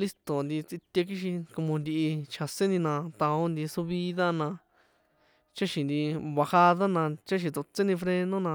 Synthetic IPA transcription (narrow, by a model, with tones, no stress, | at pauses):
li˦st̪o˨nd̪i˧t͡si˧t̪ʲe˧k̬i˦ʃi˧ko˧mõ˧nd̪i˧i˧t͡ʃʰa˨sẽ˦nĩ˧nã˧t̪a˧o˦nd̪i˧su˧βi˦ða˦nã˧ | t͡ʃa˦ʃĩ˧nd̪i˧βa˧ha˧ða˦nã˧t͡ʃa˦ʃ̬ĩ˧t̪o˧t͡se˦nĩ˧fɾe˧nõ˦nã˧